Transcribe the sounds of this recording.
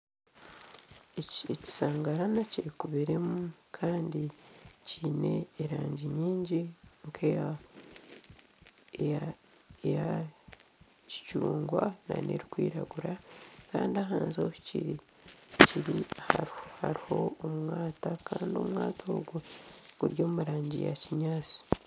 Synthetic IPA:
eeci̥saːŋɡaɾanaciɾikuβiɾe̞mukʰaːndiciːne̞ːɾaːɲɟiɲiːɲɟiŋkʰeja | e | eja | ci̥t͡ʃuːŋɡwana̰ne̞̰ɾikwiːɾa̰ɡuɾakaːndiaɦaːnzoci̥cḭɾi | ciɾihaɾha̰ɾiho̞omwaːtakaːndio̞̰mŋaːtʰoɡuɡ̥uɾjo̞ːmuɾaːɲɟḭja̰ciɲaːt͡si̥

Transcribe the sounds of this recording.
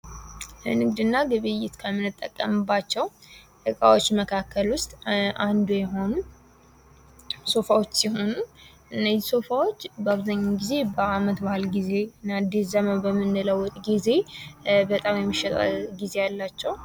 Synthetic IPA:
ʔɨ̰nɨɡd̪ɨnːaɡɨβɨjɪt̪kʰəmːɨnɨt̪ʼːə̰kʼːəmɨbːat͡ʃːɛw | ʔɨkʼa̰wo̞t͡ʃːməkʰakʰːəlwʊst̪ʼʔand̪ujɛɦo̞nu | so̞fawo̞t͡ʃːsiɦo̞nuʔɨnːəzso̞fawo̞t͡ʃːbəaβzaɲːaɡize̞bəamət̪bahɨlɡize̞ɨnːad̪iszəməbəmːɨnːləwːɔt̪ʼɡize̞bət̪ʼamjɛmːiʃɛt̪ʼa̰lɡize̞jalːat͡ʃːɛw

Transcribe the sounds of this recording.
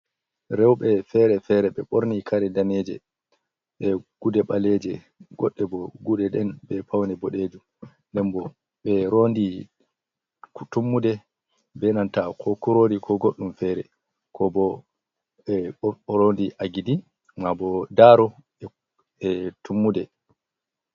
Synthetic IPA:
ɾɛwɓɛfɛɾɛfɛɾɛɓɛɓoɾnikʰaɾɛdaned͡ʒɛ̰ | ɓɛɡ̥udɛɓalɛd͡ʒɛ | ɡɔɗːɛbɔɡudɛɗɛnbɛpawnɛbɔɗeːd͡ʒum | ndɛmbɔ | ɓɛɾondi | tumːudɛ | bɛnantakʰɔkuɾoːdikʰɔɡoɗːumfɛɾɛ | kʰɔbɔ | ɔɾondiʔaɡidi | mabɔdaːɾɔ | ɛ | ɛtumːudɛ

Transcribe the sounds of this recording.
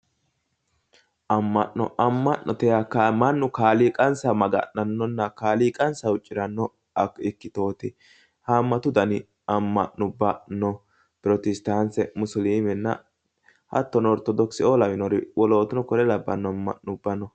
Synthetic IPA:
ʔɐmːɐʔːɔ̰ʔɐmːɐʔnɔt̪ɛjakːɐmɐnːʊkaːliːkʼɐnsɐmɐɡɐ̰nnɐnːɔnːɐkaːliːkʼɐnsɐwʊt͡ʃʼːɪɾɐnːɔ | ɐɪkːɪt̪o̞ːt̪ɪ | hamːɐt̪ʊd̪ɐnɪ | ɐmːɐ̰ʔnʊbːɐnɔ | pʊɾɔt̪ɛst̪ansɛmʊsliːmɛnːɐ̰ | hɐ̰t̪ːɔnɔɾt̪ɔd̪ɔksɪoːlɐmɪnɔɾɪwɔlo̞ːt̪ʊnɔkɔɾɛlɐbːɐ̰nːɔmːɐ̰ʔnʊbːɐnɔ

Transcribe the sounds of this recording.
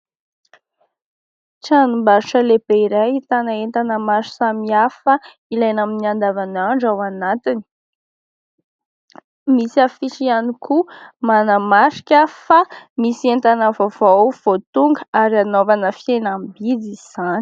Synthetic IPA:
ʈ͡ʂanumbaɾuʈ͡ʂəleb̥eiɾajit̪anaent̪anəmaʃu̥samiafə | ilajnaminiand̪avanaɳɖ͡ʐawanat̪ini̥ | misiafiʈ͡ʂianikumanəmaʃi̥kʲəfamisient̪anəvovowv̥ot̪uŋɡəaɾianovanəfienambid͡ziz̥an̥

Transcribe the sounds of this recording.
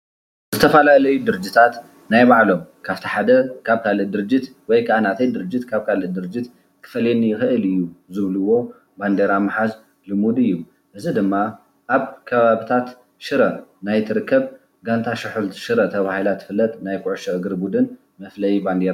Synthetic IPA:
zɨt̪ʰɐfalalɐjud̪ɨɾɨd͡ʒːit̪ʰat̪ | najbaʕlo̞mkʰaft̪ʰiħad̪ɐkʰaβkʰalɨd̪ɨɾɨd͡ʒːɪt̪ | wɔjkʰaʔanat̪ʰɐjd̪ɨɾɨd͡ʒːɪt̪kʰaβkʰalɨd̪ɨɾɨd͡ʒɪt̪ | kʰɨ̥fɐlenijɪxɨʔɨlɨjːuzɨβluwo̞ | band̪eɾamːaħaz | lɨmud̪ɨjːu | ʔɨzid̪ɨmːa | ʔaβkʰɐβaβit̪ʰat̪ | ʃɨɾɐnajt̪ʰɨɾɨkːɐβ | ɡant̪ʰaʃɨħult̪ʃɨɾɐt̪ʰɐβahilat̪jɪfɨlːɐt̪najkʰʼʊʕʊʃɐʔɨɡɨɾbud̪ɨn | mɐflɐjiband̪eɾa

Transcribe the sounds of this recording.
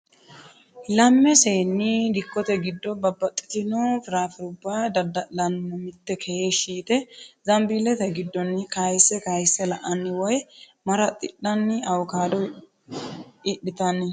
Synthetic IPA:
lɐmːɛseːnːɪd̪ɪkːɔt̪ɛɡɪd̪ːɔbɐbːɐt̪ʼːɪ̥t̪ɪnot̪ɾaːfɛɾʊbːad̪ɐd̪ɐlɐnːɛmɪt̪ːɛkʰɛheːʃiːt̪ɛzɐmbiːlɛt̪ɛɡɪd̪ːɔnːɪkɐjɪsːɛkɐjɪsːɛlɐʔɐnːɪwɔj | mɐɾɐt̪ʼɪ̰ɗːɐnːɪɐwkaːd̪ɔ | ɪɗːɪt̪ɐnːɪ

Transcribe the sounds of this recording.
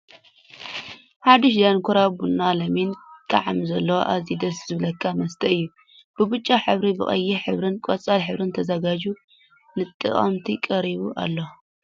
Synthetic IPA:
ħad̪ɨʃ̬d̪ankʰuɾabunːalɐmint̪ʼɐ̰ʕamzɐlːɐwoʔazid̪ɐszɨβlɐkʰːamɐst̪ʰɐɨjːu | b̥ɨbut͡ʃʼːaħɨβɾibɨχʼɐ̰jːiħɨβɾɨnkʼot͡sʼalħɨβɾɨnt̪ʰɐzɐɡad͡ʒu | nɨt̪ʼɨ̰χʼɐ̰mt̪ʰikʼɐɾiβuʔa̰lːo

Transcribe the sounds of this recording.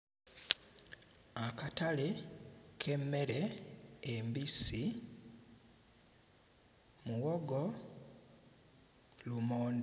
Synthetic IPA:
akatalekʰe̞mːe̞ɾeː | mbisi | muwoɡo | lumoːnd

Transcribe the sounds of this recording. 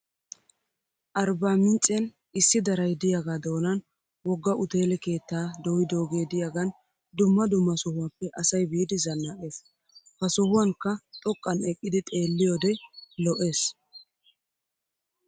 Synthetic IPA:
ʔɐɾbaːmɪnt͡sʼːɛn | ɪsːɪd̪ɐɾɐjd̪ɪjaɡaːd̪o̞ːnɐn | wɔɡːɐʔʊt̪e̞ːlɛke̞ːt̪ːaːd̪ɔwɪd̪o̞ːɡeːd̪ɪjaɡɐn | d̪ʊmːɐd̪ʊmːɐsʊhʊwaːpːɛʔɐsɐjbiːd̪ɪzɐnːake̞ːs | hɐsʊhʊwɐŋkːɐt̪ʼɔkʼːɐnɛkʼːɪd̪ɪt̪ʼe̞ːlːɪjɔːd̪ɛlɔʔe̞ːs

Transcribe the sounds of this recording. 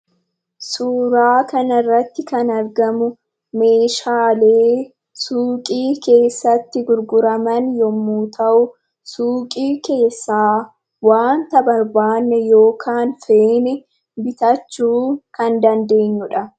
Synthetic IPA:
suːɾaːkɐnɐrːɐt̪ːɪkɐnɐɾɡɐmʊ | me̞ːʃaːle̞ː | suːkʼiːke̞ːsːɐt̪ːɪɡʊɾɡʊɾɐmɐnjɔmːuːt̪ʰɐʔʊ | suːkʼiːke̞ːsːaː | waːnt̪ɐbɐɾbaːnːɛjo̞ːkʰaːnfeːnɛ | bɪt̪ɐt͡ʃːuːkɐnd̪ɐnd̪e̞ːɲːʊᶑɐ

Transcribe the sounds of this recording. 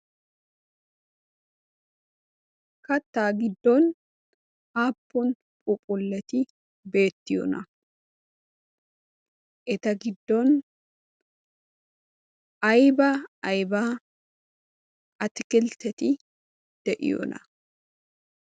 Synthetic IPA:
kɐt̪ːaːɡɪd̪ːoːn | aːpːʊn | pʼʊpʼʊlːɛt̪ɪ | be̞ːt̪ːɪjo̰nɐ̰ | ʔɛt̪ɐɡɪd̪ːon | ʔɐjbaɐjbaː | ɐt̪ɪkɪlt̪ɛt̪ɪ | d̪̥ɛʔɪ̰jo̰nɐ

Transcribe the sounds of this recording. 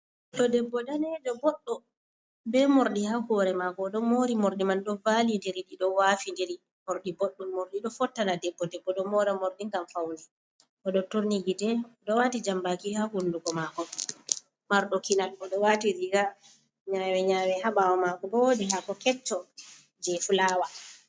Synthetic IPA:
ɗɔdɛbːɔdanɛd͡ʒɔbɔɗːɔ | bɛmoɾɗihahɔɾɛmakɔɗɔmoɾimoɾɗimanɗɔvalindeɾiɗiɗɔwaːfindeɾi | moɾɗibɔɗːɔmoɾɗiɗɔfɔtːanadɛbːɔdɛbːɔɗɔmɔɾɛmoɾɗiŋɡamfawnɛ | ʔɔɗɔtoɾniɡitɛɔɗɔwatid͡ʒambakihahunduɡɔmakɔ | maɾɗɔkinalɔɗɔwatiɾiɡa | ɲawɛɲawɛhaɓawɔmakɔbɔwdiɦakɔkɛt͡ʃːɔ | d͡ʒɛfulaːwa

